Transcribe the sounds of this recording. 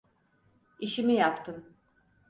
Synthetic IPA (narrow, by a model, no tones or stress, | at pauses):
iʃimijapt̪ʰɯm